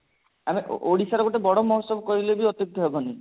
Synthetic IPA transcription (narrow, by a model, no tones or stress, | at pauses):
amiʔoɽisaɾɔɡoʈebɔɽɔmɔɦɔsɔbɔkɔɾilebiɔt̪juɡ̚t̪ɔɦebɔni